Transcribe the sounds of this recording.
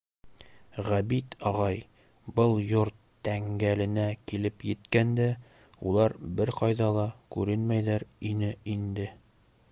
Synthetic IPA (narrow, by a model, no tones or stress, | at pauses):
ʁæbit̪ɒʁɑj | bɤlˠjoɾt̪ːæŋɡælɘ̆nækilɘpjɘ̆t̪kænd̪æ | ṵlˠɑɾbɘɾqɑjðɑlˠɑkʉɾɘnmæjlæɾinɘʔind̪ɘ